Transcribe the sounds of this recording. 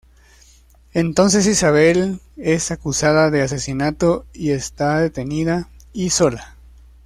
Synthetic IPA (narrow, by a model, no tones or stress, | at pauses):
ent̪o̞ns̬e̞sisaβ̞e̞l | e̞sakusaðaðe̞as̬e̞sinat̪o̞ie̞st̪aðe̞t̪e̞niðaiso̞la